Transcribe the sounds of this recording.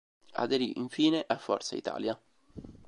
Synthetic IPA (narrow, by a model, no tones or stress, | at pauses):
a̰d̪eɾiʔiɱfiːneʔafːɔrt̪sa̰it̪a̰ːlja